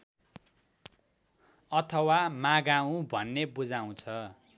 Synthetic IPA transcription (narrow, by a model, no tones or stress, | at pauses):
ʌt̪ʰʌwamaɡaũbʱʌnːebud͡zaw̃t͡sʰʌ